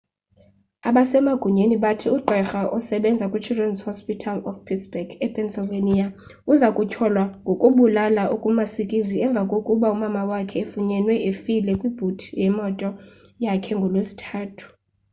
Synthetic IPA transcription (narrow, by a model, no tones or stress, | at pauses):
aɓasɛmaɡ̥ʱuɲeniɓatʰiuǃɛxaʔɔsɛɓɛnd͡zʱakʼit͡ʃʰudɛnzhɔspʼitʰalɔfpʰitsb̥ɛɡɛpʰɛnsɔlvenia | uzakʼucʰɔlwaŋɡʱokʼuɓulalaʔukʼumasikʼiziɛɱb̪vʱakʼokʼuɓaumamawakʰɛefuɲɛnwɛʔefilɛkʼwib̥ʱutʰijɛmɔtʼɔ | jakʰɛŋɡʱɔlwesi̥tʰaːtʰu̥